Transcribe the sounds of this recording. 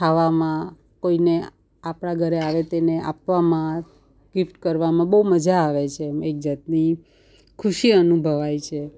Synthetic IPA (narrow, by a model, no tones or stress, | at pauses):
ʈʰaʋamã | koine | apɽ̃aɡʱəɾeaʋet̪eneʔapʋamã | ɡifʈkəɾʋamãbəuməd͡ʒʱaːʋet͡ʃʰemek̚d͡ʒat̪̚ni | kʰuʃiənubʱəʋajt͡ʃʰe